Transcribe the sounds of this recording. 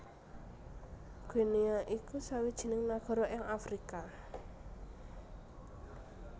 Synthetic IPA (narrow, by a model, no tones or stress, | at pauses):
ɡ̥eniaʔikusawid̥ʒ̥i̤nɪŋnaɡ̥ɔ̤ɾɔjaŋafɾika